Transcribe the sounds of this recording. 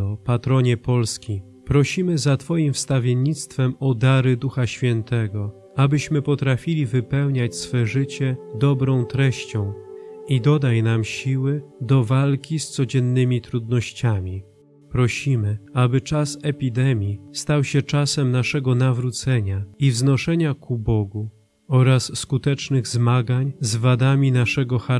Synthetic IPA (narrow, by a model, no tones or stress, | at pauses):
ɔpat̪ɾɔɲɛpɔlskʲi | pɾɔɕimɘzat̪fɔjimfst̪avʲjeɲit̪st̪fɛmɔd̪aɾɘd̪uxaɕfʲjɛnt̪ɛɡɔ | abɘɕmɘpɔt̪ɾafʲilʲivɘpɛwɲat͡ɕsfɛʐɘt͡ɕɛd̪ɔbɾɔ̃w̃t̪ɾɛɕt͡ɕɔ̃w̃id̪ɔd̪ajnamɕiwɘd̪ɔvalkʲist̪sɔd͡ʑɛnːɘmʲit̪ɾud̪nɔɕt͡ɕamʲi | pɾɔɕimɘabɘt͡ʂasɛpʲid̪ɛmʲjist̪awɕɛt͡ʂasɛmnaʂɛɡɔnavɾut̪sɛɲaivznɔʂɛɲakʰubɔɡu | ɔɾasːkut̪ɛt͡ʂnɘɣzmaɡaɲzvad̪amʲinaʂɛɡɔxa